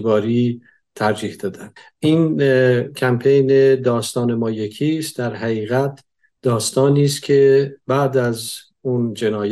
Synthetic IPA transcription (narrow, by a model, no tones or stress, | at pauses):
bɒːɾiː | t̪ʰæɾd͡ʒiːhd̪ɒːd̪ænʔiːncʰæmpʰejned̪ɒːst̪ɒːne̞mɒːjecʰiːst̪d̪æɾɦæɣiːɣæt̪̚ʰ | d̪̥ɒːst̪ɒːniːst̪kcʰe̞bæːd̪æz | und͡ʒe̞nɒːj